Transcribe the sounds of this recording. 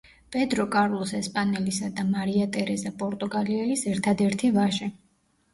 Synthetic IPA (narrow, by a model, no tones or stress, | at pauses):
b̥ʼɛd̪ɾɔkʼaɾlˠɔsɛspʼanɛlisad̪amaɾiat̪ʼɛɾɛzapʼɔɾt̪ʼuɡaliɛlisɛɾt̪ʰad̪ɛɾt̪ʰivaʒɛ